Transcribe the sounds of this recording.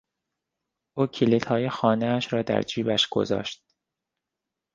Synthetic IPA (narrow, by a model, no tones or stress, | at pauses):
ʔuːcʰilit̪ʰhɒːjexɒːneæʃɾɒːd̪æ̰ɾd͡ʒiːbæʃɡ̥o̰zɒ̰ːʃt̪̚